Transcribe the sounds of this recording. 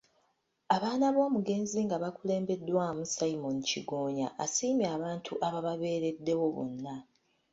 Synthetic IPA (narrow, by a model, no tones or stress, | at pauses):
aβaːnaβo̞ːmuɡe̞ːnziŋɡaβakule̞ːmbe̞dːwamusajimo̞niciɡo̞ːɲa̰ʔasiːmjaːβaːntʰuʔaβaβaβe̞ːɾe̞dːe̞wo̞βṵnːa